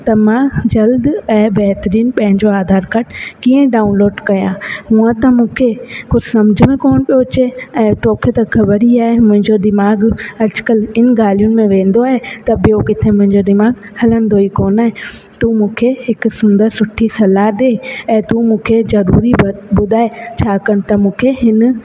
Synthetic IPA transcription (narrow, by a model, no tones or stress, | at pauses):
t̪ɐmãd͡ʑɐld̪ɛ̃ːbɛɦt̪əɾiːnpɐ̃ɦɪ̃ɲd͡ʑoaːd̪ʱaːɾkɐʈʰkiːə̃ɖaːunloːɖkɐjãːmũɦə̃t̪ɐmũːkʰexʊd͡ʑsɐmd͡ʑʱʊmẽkoːnɓijot͡ɕeɛ̃ːt̪oːkʰet̪ɐxɐbəɾiaːɦemʊ̃ɦɪ̃ɲd͡ʑod̪ɪmaːɡɦɐɾt͡ɕɪ̥kəlɪn̆ɡaːl̤ijʊnɪ̆mẽʋẽːn̆d̪oaːɦet̪ɐɓɪjokɪt̪ʰemʊ̃ɦɪ̃ɲd͡ʑod̪ɪmaːɡ | hɐlənd̪oikoːnaːɦe | t̪umũːkʰeɦɪksʊnd̪əɾsʊʈʰisɐlaɦɗ̪eːɛ̃ːt̪ũːmũːkʰezɐɾṵːɾibʊd̪ʱaːet͡ɕʰaːkɐɽ̃̆t̪ɐmũːkʰeɦɪn̆